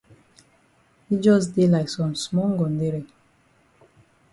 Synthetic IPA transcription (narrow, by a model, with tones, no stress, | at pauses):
hi˦d͡ʒɔ˦s̬de˦la˨ɪksɔ̃˨msmɔ˦ɡɔ̃˨nde˦ɾi˨